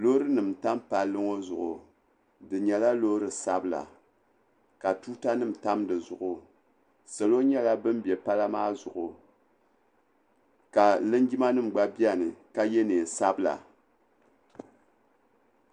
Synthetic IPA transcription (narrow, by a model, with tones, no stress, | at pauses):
lo˦ɾɨ˦nɨ˨mta˦mpa˨lːɨ˦ŋo˦zʊ˨ʔʊ˨ | dɨ˨ɲɛ˨la˦lo˦ɾɨ˨sa˦bɨ˦la̰˨ | ka˨tuː˦ta˦nɨ˦m̩˨ta˦mdɨ˨zʊ˨ʔʊ˨ | sɛ˨lo˦ɲɛ˦la˦bɨ˦m˦bɛ˨pa˦la˦maː˦zʊ˨ʔʊ˨ | ka˨lɨ˦nɡi˦ma˦nɨ˦m̩˨ɡ͡ba˦bi˦a˦˨nɨ˨ka˦je˦neː˨sa˦bla̰˨